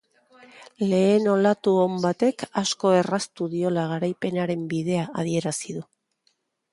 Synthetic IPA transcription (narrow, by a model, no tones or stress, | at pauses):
le̞ːno̞lat̪uombat̪e̞kasko̞e̞rast̪uðio̞laɣ̞aɾajpe̞naɾe̞mbiðe̞aʔað̞ie̞ɾasiðu